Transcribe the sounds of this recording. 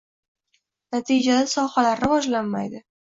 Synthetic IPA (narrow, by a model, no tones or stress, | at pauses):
nat̪ʰid͡ʒad̪asɒhalaɾɾɪvɒd͡ʒlanma̰jd̪ɪ